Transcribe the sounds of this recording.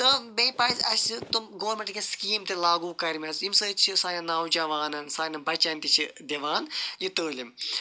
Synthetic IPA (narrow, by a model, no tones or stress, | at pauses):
t̪ɨbẽːpaːzʲɐsʲt͡sɨt̪umɡoʋɐɾmẽɳʈkʲeskiːmt̪elaːɡuːkɐɾʲmʲɐsimsət͡ʃʰisaːnɐnaːwd͡ʒɐʋaːnɐnsaːnɐbɐt͡ʃɐnt̪it͡ʃʰid̪ʲeʋaːnjit̪əːlim